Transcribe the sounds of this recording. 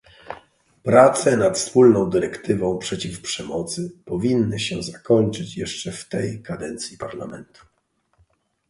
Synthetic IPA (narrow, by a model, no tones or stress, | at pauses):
pɾat̪sɛnat̪fspulnɔ̃w̃d̪ɘɾɛkt̪ɘvɔ̃w̃pʂɛt͡ɕifpʂɛmɔt̪sɘpɔvʲinːɘɕɛzakɔɲt͡ʂɘt͡ɕjɛʂt͡ʂɛft̪ɛjkʰad̪ɛnt̪sʲjipaɾla̰mɛnt̪ʰu̥